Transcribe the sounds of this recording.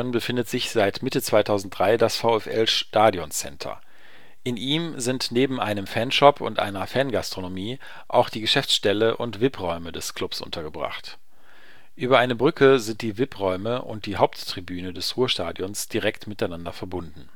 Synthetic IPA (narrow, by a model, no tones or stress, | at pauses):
ɔnbəfɪndətz̥ɪçz̥aɪtmɪtət͡sv̥aɪtʰaʊzn̩t̚d̥ʁaɪdasfaʊɛfʔɛ̰lʃtaːdjɔnt͡sɛ̰ntʰɐ̰ | ʔɪnʔiːmzɪntneːbm̩ʔa̰ɪnəmfɛnʃɔpʰʊ̰ntʔa̰ɪnɐfɛnɡastʁ̥onomiː | ʔa̰ʊxd̥iːɡəʃɛft͡sʃtɛləʔʊ̰ntv̥ɪpʁɔʏmədɛskʰl̥ʊpsʔʊ̰ntʰɐɡəbʁa̰χt | ʔyːbɐʔaɪnəbʁʏkʰəzɪnt̚d̥iːvɪpʁɔʏməʔʊ̰nt̚d̥iːɦaʊp̚tːʁ̥ibyːnədɛsʁuːɐʃta̰ːdjɔnsd̥iʁɛktmɪtaɪnandɐfɛɐbʊndn̩